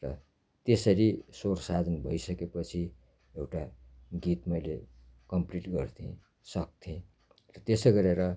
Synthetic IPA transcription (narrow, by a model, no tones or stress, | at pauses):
rʌ̰ | t̪esʌɾisorsad̪ʱʌnbʱʌjsʌkepʌt͡sʰi | ewʈaɡit̪mʌjle | kʌmpliʈɡʌrt̪ʰẽ | sʌk̚t̪ʰẽ | rʌt̪esʌɡʌɾeɾʌ